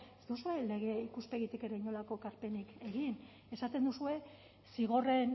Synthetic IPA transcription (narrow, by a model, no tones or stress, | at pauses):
ezd̪usue̞le̞ɣe̞ikuspe̞ɣit̪ikeɾeiɲo̞lako̞kaɾpe̞nike̞ɣin | e̞sat̪e̞nd̪usue̞ | siɣ̞o̞re̞n